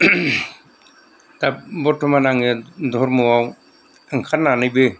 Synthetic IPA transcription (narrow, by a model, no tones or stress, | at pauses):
t̪ap̚bɔtʰɔmanaŋed̪ʱɔɾmuwaw | aŋkʰanːanɯjbɯ